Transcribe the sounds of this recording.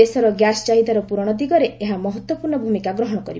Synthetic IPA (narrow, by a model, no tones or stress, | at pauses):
esɔɾɔɡjast͡ʃaɦid̪aɾɔpuɾɔɽ̃ɔd̪iɡɔɾeeɦamɔɦɔt̪wɔpuɾɳɔbʱumikaɡɾɔɦɔɽ̃ɔkɔɾib